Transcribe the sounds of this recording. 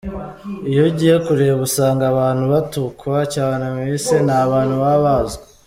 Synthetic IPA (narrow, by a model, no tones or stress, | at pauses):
ijoɟiːjekuɾeːβusaːŋɡaβaːnhuβatukwacaːnemisenaβaːn̥huβaβaza